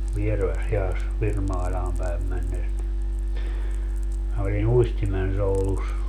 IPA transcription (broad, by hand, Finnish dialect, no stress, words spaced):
ʋiereʋæshiɑs ʋirmɑilʲɑːm pæem mænːes ni minæ olin uistimensoulus